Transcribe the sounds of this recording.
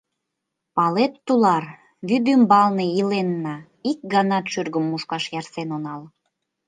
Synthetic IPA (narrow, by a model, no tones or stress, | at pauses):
pɑlet̪ːulɑr | βyd̪ymbɑlneilenːɑ | ik̚ɡɑnɑt̪ʃyrɡəmːuʃkɑʃjɑrsenonɑl